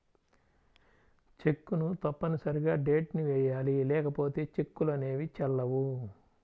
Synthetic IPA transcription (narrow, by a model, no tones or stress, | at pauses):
t͡ʃe̞kːunut̪ɐpːɐnisɐɾiɡaːɖeːʈniʋɛːjaːlilɛːkɐpo̞ːt̪e̞ːt͡ʃe̞kːulone̞ːʋit͡ʃɛlːɐwu